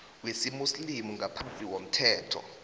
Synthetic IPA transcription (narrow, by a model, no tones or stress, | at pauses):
kwesimuslimuŋapʰant͡sʼiw̬om̩tʰɛːtʰɔ̰